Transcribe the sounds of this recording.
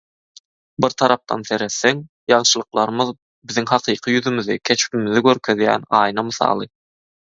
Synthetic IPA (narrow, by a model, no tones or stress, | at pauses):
biɾt̪ʰɑɾɑp̚t̪ʰɑ̰nθe̞ɾe̞θːeŋ | jɑɴʃɯlˠɯqlˠɑɾɯmɯð | biðiŋhɑqʰɯːqʰɯjyðymyðikʲʰe̞t͡ʃpimiðiɡøɾkʰø̞ðjæ̰ːnɑːjnɑmɯθɑ̰ːlˠɯ